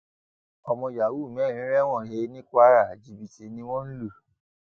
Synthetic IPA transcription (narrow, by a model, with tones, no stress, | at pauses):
ɔ˧mɔ̃˧ja˨wu˦˨m̃˨˦˨ɾ̃ĩ˨˦ɾɛ˦w̃ɔ̃˦˨ɦe˧˦nĩ˦kʷa˦ɾa˨d͡ʒi˨bi˨te˨˦nĩ˧w̃ɔ̃˦n̩˦lu˦˨